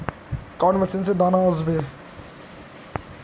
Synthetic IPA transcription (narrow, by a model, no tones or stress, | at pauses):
kɔːnmɐsinsed̪aːnaɔzbe